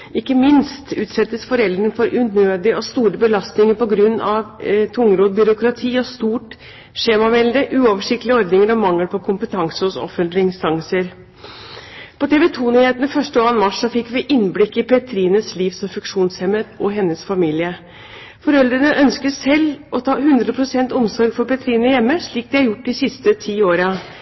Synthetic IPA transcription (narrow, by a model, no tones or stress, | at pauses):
ɪkːəmɪnst̪ʉːt̪sɛt̪ːəsfɔɾɛld̪ɾəɳfɔɾʔʉnøːd̪ɪɔst̪uːɾəbəlɑst̪nɪŋəɾpɔɡɾʉnːɑʋt̪ʰʊŋɾoːd̪̚bʏɾʊkɾɑt̪ʰiːɔst̪uːʈ | ʂeːmɑʋɛld̪əʔʉːɔʋəʂɪkt̪lɪəɔɾd̪nɪŋəɾɔmɑŋːəlpʰɔkʰʊmpət̪ʰɑŋsəhʊsɔ̰fːənt̪lɪɪnst̪ɑŋsəɾ | pʰɔt̪ʰeːʋɛt̪ʰuːnyːheːt̪nəfœʂʈəɑːnmɑʂːɔfɪkːʋɪʔɪnblɪkːɪpʰɛt̪ʰɾiːnəsliːʋsɔmfʉŋkʂuːnshɛmət̪ʔɔɦɛnːəsfɑmiːlɪə | fɔɾɛld̪ɾənəʔœnskəsɛlːɔt̪ʰɑːɦʉnd̪ɾəpʰɾʊsɛnt̪ʊmsɔɾɡfɔɾpɛt̪ʰɾiːnəjɛmːəʂɭiːk̚d̪ɛɑɾjʊʈ̚ːd̪ɪsɪst̪ət̪ʰiːoːɾə